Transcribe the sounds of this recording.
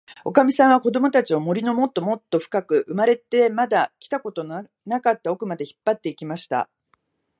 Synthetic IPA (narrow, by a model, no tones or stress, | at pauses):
o̞̰kamʲisãɰ̃ako̞d̪o̞mo̞t̪at͡ɕio̞mo̞ɾʲino̞mo̞t̪ːo̞mo̞t̪ːo̞ɸɯ̥kakɯ̟ʔɯmaɾe̞t̪e̞mad̪akʲi̥t̪ako̞t̪o̞n | nakat̪ːao̞kɯ̟mad̪e̞çi̥pːat̪ːe̞ikʲimaɕi̥t̪a̰